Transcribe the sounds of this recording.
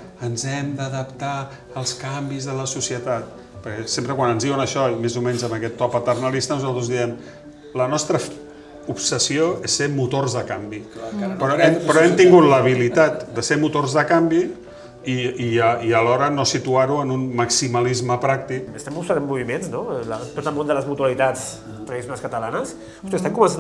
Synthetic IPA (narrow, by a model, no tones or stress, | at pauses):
ənzɛmd̪əðəpt̪a | əlˠskambizðələsusiət̪at̪̚ | pəɾkɛsempɾəkwanənzðiwənəʃɔimezumɛɲzəməkɛt̪ːɔpət̪ərnəlist̪ənuzalˠt̪ɾəzðiɛm | lənɔst̪ɾə | upsəsioesːemut̪orzðəkambipɾɔɛmpɾɔɛmt̪iŋɡut̪ləβ̞ilit̪at̪̚d̪əsemut̪orzðəkambi | iiəiəlɔɾənosit̪uaɾuənunməksiməlizməpɾak̚t̪ikəst̪ɛmbusanəmːuβimenznolt̪ot̪əlˠmõnd̪ələzmut̪uəlit̪at͡s | t̪ɾəðis̬jonaskət̪əlanəs | st̪est̪ɛmŋkumənsa